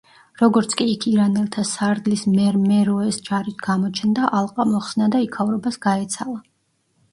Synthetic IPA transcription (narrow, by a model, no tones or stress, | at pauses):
ɾɔɡɔɾt̪sʰkʼiːkʰiɾanɛlˠt̪ʰasaɾd̪lismɛɾmɛɾɔɛsd͡ʒaɾit̪ʰɡ̥amɔt͡ʃʰɛnd̪aʔalˠqʼamɔχsnad̪aikʰavɾɔbasɡ̥aɛt̪sʰalˠa